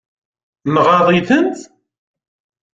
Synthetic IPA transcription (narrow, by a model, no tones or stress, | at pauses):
mʁɑðˤiθənt̪